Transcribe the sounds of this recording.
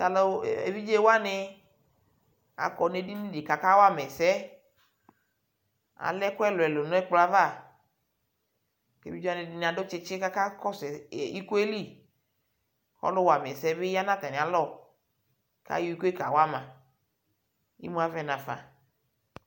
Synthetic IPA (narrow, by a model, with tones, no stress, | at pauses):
ta˨lḛ˨vi˦d͡ʒe˦wo˦a˦ne˦ | a̰˨kɔ˨ne˦di˦nĩ˦de˨ka˨ka˦wo˦a˦mɛ˨sɛ˦ | a̰˨lɛ˦ko˦ɛ˦lo˨ɛ˨lo˨nɔ̃˨˦ɛ˦k͡pla˦va˦˨ | kḛ˨vi˦d͡ʒa˦ne˨di˦n˨a˨do˦t͡ʃe˦t͡ʃe˦ka˦ka˦kɔ˦se˨i˦ko˦e˦li˦˨ | xɔ̰˦lo˦wa˨mɛ˨sɛ˦be˦ja˦nã˦t̪a˨nẽ˨a˨lɔ˦˨ | ka̰˦ju˦i˦ko˦e˦ka˨wo˦a˦mã˨ | jḭ˦mũ˦a˨vɛ˦nã˨fa̰˨